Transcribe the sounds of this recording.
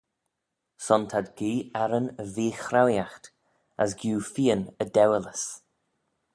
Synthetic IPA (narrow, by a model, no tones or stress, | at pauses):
sɔnt̪ʰadɡiːɛɾənəviːxɾawjaxt̪ | a̰s̬ɡjuːfiːənəd̪ɛwələs